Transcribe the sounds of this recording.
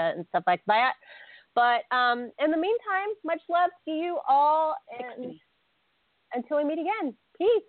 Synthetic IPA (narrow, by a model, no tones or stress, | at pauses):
ɨɨ̰̃nstʌflaɪk̚ð̥aɪɨt̚b̥ʌɾ̚ʌ̃mɨ̃nðəmĩntʰãɪ̃mːʌt͡ʃlɛfd̥ɨjɨʔɔlˠɨ̃n | ɨ̃ntʰɪlˠwimiɾɨɡɛ̃n | pʰis